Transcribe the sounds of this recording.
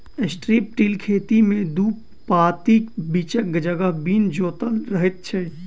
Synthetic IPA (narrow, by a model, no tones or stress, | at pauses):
esʈɾiːp̚ʈiːlkʰeːt̪imẽd̪uːp | paːt̪iːkbiːt͡ʃək̚ɡd͡ʒəɡabiːnd͡ʒoːt̪əlɾəɦet̪̚t͡ʃʰe